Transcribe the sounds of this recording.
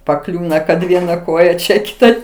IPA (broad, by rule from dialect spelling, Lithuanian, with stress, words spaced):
pɐˈklʲuːnɐ kɐt ˈʋʲiɛnɐ ˈkoːjɛ ˈt͡ʃʲɛ ˈkʲɪtɐ